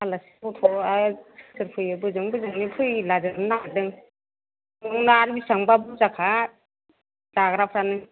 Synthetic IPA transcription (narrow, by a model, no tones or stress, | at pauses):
alasi̥ɔtʰɔḁsɯɾpʰɯjɯbɯzɯŋbɯzɯŋnipʰɯjlazɯɾɯnadɯŋ | uŋnaɾbisaŋbabuzakʰa | daɡɾapʰɾanɯŋ